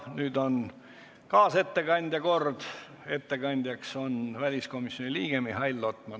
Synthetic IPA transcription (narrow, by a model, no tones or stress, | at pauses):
nyːd̪̥o̞n | kɑːse̞t̪ːe̞kɑnʲd̪̥ʲjɑko̞rd̪̥ | e̞t̪ːe̞kɑnʲd̪̥ʲjɑkso̞nvælʲisko̞misjo̞nʲiliːɡ̥emihɑjlːo̞t̪ːˑmɑ